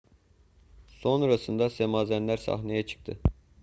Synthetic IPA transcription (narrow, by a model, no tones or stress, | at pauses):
so̞nɾɑsɯnd̪ɑsemɑːzænlæɾsɑ̰χnɑjɑt͡ʃʰɯ̥χt̪ʰɯ